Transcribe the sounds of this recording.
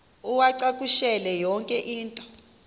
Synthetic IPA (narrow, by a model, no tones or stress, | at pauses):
uwaǀakʼuʃɛlɛjɔŋkʼɛʔiːntʼɔ̥